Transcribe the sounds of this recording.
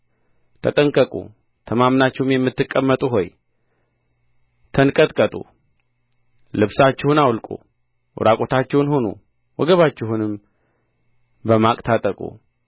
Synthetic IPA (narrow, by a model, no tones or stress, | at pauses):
t̪ʰət̪ʼəŋkʼəkʼṵ | t̪ʰəmamnat͡ʃːɪhumjɛmːɨt̪ːɨkʼːəmːət̪ʼuɦo̞j | t̪ʰənkʼət̪ʼkʼət̪ʼṵ | lɨβsat͡ʃːɪhunawlkʼṵ | wʔʊ̰ɾʔakʼo̞t̪ʰat͡ʃːɛwnho̞nṵ | wɔɡəβat͡ʃːɪɦunɨm | bəmakʼt̪ʰat̪ʼəkʼṵ